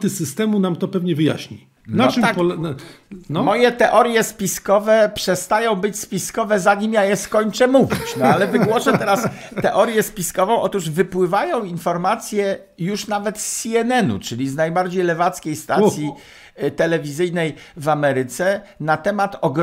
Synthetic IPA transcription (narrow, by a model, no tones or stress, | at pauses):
t̪ɘsɘst̪ɛmunamt̪ɔpɛvɲɛvɘja̰ɕɲi | naakɔl | nmɔjɛt̪ɛʔɔɾjɛspʲiskɔvɛpʂɛst̪ajɔ̃w̃bɘt͡ɕspʲiskɔvɛzaɲimjajɛskɔɲt͡ʂɛmuvʲit͡ɕnɔalɛvɘɡwɔʂɛt̪ɛɾast̪ɛʔɔɾjɛspʲiskɔvɔ̃w̃ʔɔt̪uʐvɘpwɘvajɔ̃w̃infɔɾmat̪sʲjɛ | juʂnavɛt̪sːiɛnɛnṵt͡ʂɘlʲiznajbaɾd͡ʑejlɛvat̪skʲejst̪asʲji | t̪ɛlɛvʲizɘjnɛj | vamɛɾɘt̪sɛnat̪ɛmat̪ɔɡɾ